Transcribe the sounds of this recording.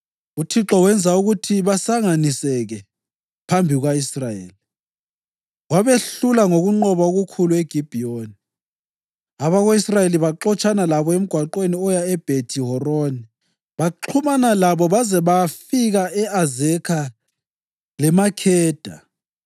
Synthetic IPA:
utʰiǁɔwɛnd͡zʱauɣutʰiβasaŋanisɛɣɛ | pʰambʱiɣwaisrajḛːli | waβeɬulaŋoɣuŋ͡ǃɔβaoɣukʰulueɡ̥ʱib̥ʱioni | aβaɣoisrajeliβaǃɔt͡ʃʼʰanalaβɔem̩ɡ̥ʱwaǃweniɔjaɛb̥ʱetʰiɦɔroni | βaǃʰumanalaβɔβazɛβafiɣaɛazɛkʰa | lɛmakʰɛːd̥ʱa̰

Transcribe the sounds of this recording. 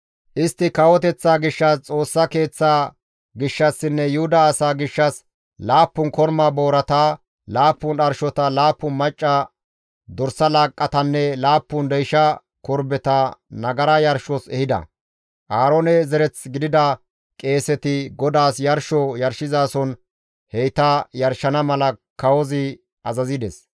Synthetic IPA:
ʔɪst̪ːɪkɐwɔt̪ɛt͡sːaːɡɪʃːɐst͡sʼo̞ːsːɐke̞ːt͡sːaː | ɡɪʃːɐsːɪnːɛjʊhʊd̪ɐːsaːɡɪʃːɐs | laːpːʊnkɔɾmaːboːɾɐt̪aː | laːpːʊnɐɾʃɔt̪ɐlaːpːʊnmɐt͡ʃʼːɐ | d̪ɔɾsɐlaːkʼːɐt̪ɐnːɛlaːpːʊnd̪ɛjʃɐ | kɔɾbɛt̪ɐnɐɡɐɾɐjɐɾʃɔsɛhɪd̪ɐ̰ | ʔaːɾonɛzɛɾɛt͡sɡɪd̪ɪd̪ɐ | kʼe̞ːsɛt̪ɪɡɔd̪aːsjɐɾʃɔjɐɾʃɪzaːsɔn | hɛjt̪ɐjɐɾʃɐnɐmɐlɐkɐwɔzɪ | ɐzɐzɪd̪ɛs

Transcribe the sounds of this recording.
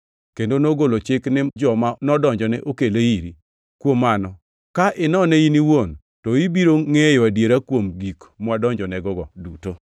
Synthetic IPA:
kendonoɡolot͡ʃɪknɪd͡ʒɔmanɔdɔɲd͡ʒɔnɛʔokeleiɾi | kwomːanɔ | kaʔɪnɔnɛiniwon | tɔibiɾoŋejwadjeɾakwomɡikmwadɔɲd͡ʒɔnɛɡɔɡɔduto

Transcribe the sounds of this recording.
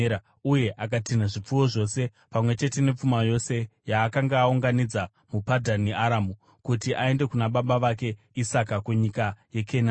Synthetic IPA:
a | uje̞ʔak̬atinaʐip͡fuwo̞ʐo̞se̞ | pamwe̞t͡ʃe̞te̞ne̞p͡fumajo̞se̞jaːkaŋɡaːuŋɡanid͡za | mupadʱaneaɾamu | kutiʔae̞nde̞kunaɓaɓaʋake̞ | isakakuɲikaje̞kʰena

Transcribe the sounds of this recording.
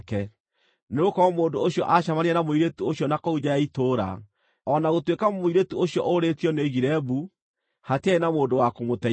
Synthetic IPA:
kɛ | neokɔɔmoːndooɕjɔʔaʃamaneɛnamoiɾetuoɕiɔnakɔud͡ʑajaitoːɾa̰ | ɔnaɣotwekamoiɾetuoɕjɔʔoɾetjɔneɣiɾɛbu | hateaenamoːndowakomotɛ

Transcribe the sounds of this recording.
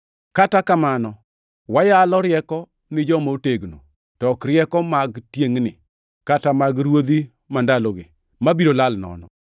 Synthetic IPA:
katakamanɔ | wajalɔɾɪjɛkɔ | nɪd͡ʒɔmaoteɡno̰ | tɔkɾjɛkɔmaɡtjeŋnɪ̰ | katamaɡɾwod̪i | mandaloɡɪ | mabiɾolalnɔ̰nɔ̰

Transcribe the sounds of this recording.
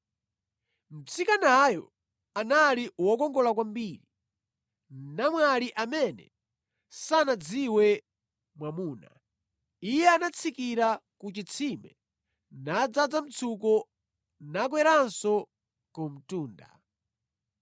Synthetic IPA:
m̩t͡sʰikanajɔ̰ | analiwɔkɔŋɡɔlakwambiɾi | namwaliʔamɛnɛ̰ | sanad͡ziwɛ | mwamuːna | ijɛanat͡sʰikiɾakut͡ʃit͡sʰimɛ | nad͡zad͡zam̩t͡sʰukɔ | nak̬wɛɾansɔ | kɔm̩tuːnda̰

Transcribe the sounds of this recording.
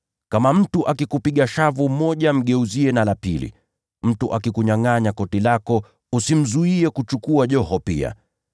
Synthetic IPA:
kamam̩tuʔakikupiɠaʃavumɔʄam̩ɠɛuziɛnalapilḭ | m̩tuʔakikuɲaŋaɲakɔtilakɔ | usim̩zuiɛkut͡ʃukuaʄɔhɔpḭa̰

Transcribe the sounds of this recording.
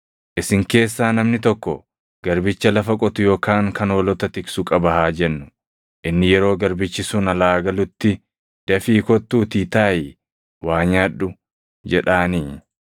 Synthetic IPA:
ʔɪsɪŋke̞ːsːaːnɐmnɪt̪ɔkːɔ | ɡ̥ɐɾbɪt͡ʃːɐlɐfɐkʼɔt̪ʊjo̞ːkʰaːŋkɐnolɔt̪ɐt̪ɪksʊkʼɐbɐɦaːd͡ʒɛnːʊ | ʔɪnːɪjɛɾo̞ːɡɐɾbɪt͡ʃːɪsʊnɐlaːɡɐlʊt̪ːɪ | d̪̥ɐfiːkɔt̪ːuːt̪iːt̪aːjɪ | waːɲaːᶑːʊ | d͡ʒɛᶑaːniː

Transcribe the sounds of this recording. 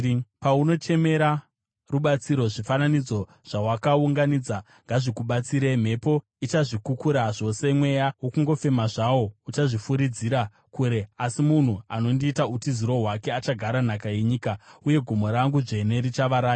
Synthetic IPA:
pauno̞t͡ʃe̞me̞ɾa | ruɓat͡siɾo̞ʐifananid͡zo̞ | ʐ̥awakauŋɡanid͡za | ŋɡaʐikuɓat͡siɾe̞m̤e̞po̞ | it͡ʃaʐikukuɾaʐo̞se̞mwe̞jawo̞kuŋɡo̞fe̞maʐawo̞ut͡ʃaʐifuɾid͡ziɾa | kuɾe̞asimun̤uano̞ndiːtautiziɾo̞ɦwake̞at͡ʃaɡʱaɾan̤akaje̞ɲiːkauje̞ɡʱumo̞ɾaŋɡuʐe̞ne̞ɾit͡ʃaʋaɾaː

